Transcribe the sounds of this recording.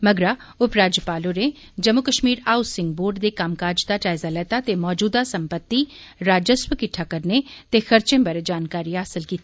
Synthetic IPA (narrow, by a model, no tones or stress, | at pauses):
məɡɾaː | ʊpɾaːd͡ʒjəpaːloɾe | d͡ʒəmːʊkəʃmiːɾaːʊsɪ̃ŋɡ̚boːɾɖd̪eːkaːmkaːɾd͡ʒd̪aʈaːɪzaːlɛːt̪at̪emɔːd͡ʒuːd̪asəmpət̪ːi | ɾaːd͡ʒəswəkɪʈʰːakəɾnet̪exəɾt͡ʃẽːbəɾd͡ʒaːnkaːɾiaɦəsəlkiːt̪ːa